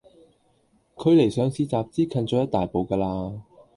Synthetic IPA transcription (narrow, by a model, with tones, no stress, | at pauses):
kʰɵ˨˧ɥle˨˩jsœː˨˧ŋsiː˧t͡saː˨p̚t͡siː˥kʰɐ˧nt͡ʃɔː˨˧˥jɐ˥t̪̚aː˨jpo˨˧wkaː˧laː˧